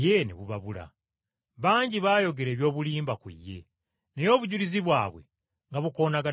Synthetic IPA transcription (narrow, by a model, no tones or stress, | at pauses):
je̞nḛβuβaβula̰ | βaːɲɟiβaːjo̞ɡe̞ɾe̞ːβjo̞ːβuliːmbakwḭjːe̞̰ | nejo̞ːβuɟuliziβwaːβwe̞̰ | ŋɡaβuko̞ːnaɡa